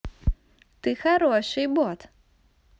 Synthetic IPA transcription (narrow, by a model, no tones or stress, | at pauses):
t̪ɨxaɾɔʂɨjbɔt̪